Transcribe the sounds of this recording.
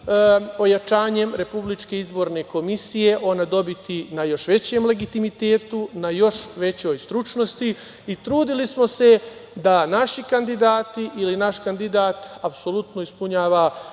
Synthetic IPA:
o̞jat͡ʃaːɲe̞mɾe̞publit͡ʃke̞izbo̞ɾne̞ko̞misije̞ʔo̞nad̪o̞bit̪inajo̞ʃʋe̞t͡ɕemle̞ɡit̪imit̪e̞ːt̪unajo̞ʃʋe̞t͡ɕo̞ːjst̪ɾut͡ʃno̞st̪i | it̪ɾuːd̪ilismo̞se̞d̪anaʃikand̪id̪aːt̪iʔilinaʃkand̪id̪aːt̪apso̞lut̪no̞ispuɲaːʋa

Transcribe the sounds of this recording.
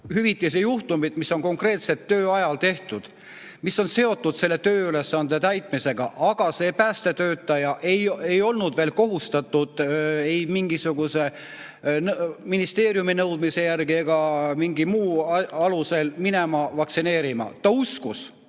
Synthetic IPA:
hyvit̪ːˑis̬ijuht̪umid̪̥misːo̞nko̞ŋkre̞ːt̪se̞t̪ːøːɑjɑlt̪e̞ht̪ud̪̥ | misːo̞nse̞o̞t̪ːˑud̪̥se̞lːe̞t̪ø̞ːyle̞sːɑnd̪e̞t̪æjt̪ˑmise̞ɡ̥ɑ̰ʔɑɡ̥ɑse̞ːpæːst̪e̞t̪ø̞ːt̪ːˑɑjɑʔejejo̞lnud̪̥ve̞ːlko̞ɦust̪ɑt̪ːˑud̪̥ejmiŋɡ̥isuɡ̥use̞ | nminist̪e̞ːɾjuminɤwd̪̥mise̞jærɡ̥ieɡ̥ɑmiŋɡimuːɑluse̞lmine̞mɑvɑkt̪sine̞ːɾimɑ̰t̪ɑuskus

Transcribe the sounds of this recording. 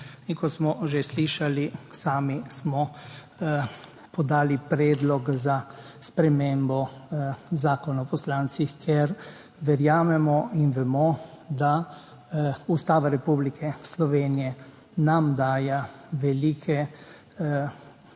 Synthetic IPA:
iŋkɔsmɔʒesliʃalisaːmismɔ | pɔd̪aːlipɾɛːd̪lɔkzaspɾɛmembɔ | zaːkɔnɔpɔslaːnsixkʰɛɾ | ʋɛɾjaːmɛmɔinʋɛmɔ | d̪a | ust̪aːʋaɾɛpublikʰɛslɔʋeːnijɛ | namd̪aːjaʋɛliːkʰɛ

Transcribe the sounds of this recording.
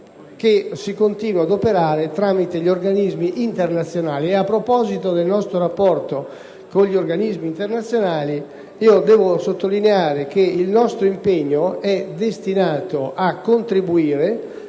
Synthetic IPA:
k̟esikont̪iːnwad̪opeɾaːɾet̪ɾaːmit̪eʎioɾɡanizmiʔint̪ernat̪sːjonaːlieapːɾopɔːzit̪od̪elnɔst̪ɾoɾapːɔrt̪o | koʎːioɾɡanizmiːnt̪eɾnat̪sːjonaːli | iːod̪ɛːvosot̪ːolineaːɾek̟eilnɔst̪ɾoimpeɲːoɛd̪est̪inaːt̪oʔakːont̪ɾibuiːɾe

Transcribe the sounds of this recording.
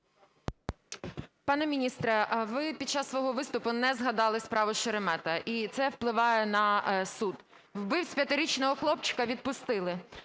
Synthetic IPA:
pɑnɛmʲinʲist̪ɾɛʋɪpʲid̪̚t͡ʃɑsːʋɔɦɔʋɪst̪ʊpʊnɛzɦɐd̪ɑlˠɪspɾɑʋʊʃeɾemɛt̪ɐʔit̪sɛwplˠɪʋɑjɛnɐsud̪ | wbɪwsʲpʲjɐt̪ɪɾʲit͡ʃnɔɦɔxlˠɔpt͡ʃɪ̥kɐʋʲid̪̚pʊst̪ɪlˠɪ

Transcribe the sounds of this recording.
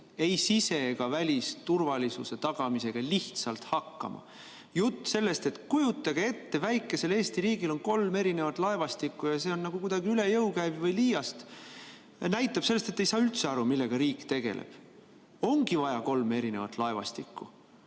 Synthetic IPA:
e̞jsise̞ɡ̥ɑvælʲist̪urvɑlʲisṵse̞t̪ɑɡ̥ɑmise̞ɡ̥ɑliht̪sɑlt̪hɑkːɑ̰mɑ̰ | jut̪ːˑse̞lːe̞st̪e̞t̪kujut̪ːˑɑɡee̞t̪ːe̞væjkˑːe̞se̞le̞ːst̪iɾiːɡilo̞nko̞lme̞ɾine̞vɑt̪lɑe̞vɑst̪ikˑːujɑse̞o̞nːɑɡ̥ukujd̪̥ɑɡiyle̞jɤwkæjvvɤjliːjɑst̪ | næjt̪ːˑɑb̥selːest̪et̪ːˑe̞jsɑːylt̪se̞ɑɾumilːe̞ɡ̥ɑɾiːkt̪e̞ɡ̥e̞̰lʔḛb̥ | o̞ŋɡivɑjɑko̞lme̞ɾine̞vɑ̰t̪ːˑlɑe̞vɑ̰st̪ikˑːṵ

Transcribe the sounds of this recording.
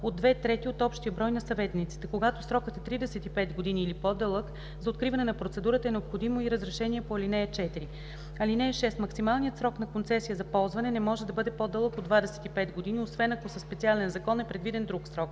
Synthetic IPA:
od̪ːvɛt̪ɾɛt̪iot̪ɔpʃt̪ijəbɾɔjnɐsɐvɛt̪nit̪si̥t̪ɛkoɡat̪osɾɔkət̪ɛt̪ɾid̪ɛsɛt̪ipɛt̪ɡod̪iniːlipɔd̪ɤlˠək | zɐot̪̚kɾivɐnɛnɐpɾot̪sɛd̪uɾət̪əɛnɛopxod̪imoiɾəzɾɛʃɛniɛpoɐlinɛɛt͡ʃɛt̪iɾi | ɐlinɛːʃɛst̪mɐksimalˠnijət̪sɾɔknɐkont̪sɛsijəzɐpɔlˠzvɐnɛnɛmɔʒɛd̪ɐbɤd̪ɛpod̪ɤlˠəkod̪vad̪ɛsɛ̥t̪ipɛt̪ɡod̪iniosvɛnɐkosəspɛt̪sialɛnzɐkɔnɛpɾɛd̪vid̪ɛnd̪ɾuksɾɔk

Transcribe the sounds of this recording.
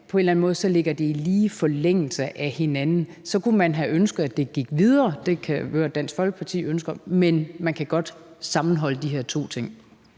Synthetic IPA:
pʰɒ̽e̝nlæn̩mɔːðˠsɒ̽le̝ɡ̥ɐd̥e̝iliːfɒleŋ̰l̩səʔæhe̝nænn̩ | sɒ̽kumænɦæʔønsɡ̥əð̩ˠæd̥e̝ɡ̥iɡ̥ʋið̞ˠɐːd̥e̝kʰæɡ̥øɐd̥æn̰sɡ̥fɒ̽l̰ɡ̥əpʰɑ̈t͡sʰḭːønsɡ̥ɐmenmænkʰæɡ̥ɒ̽d̥sɑ̈mn̩ɦɒ̽l̰əd̥iɦeɐ̰t͡sʰo̝̰ːt͡sʰe̝ŋ̰

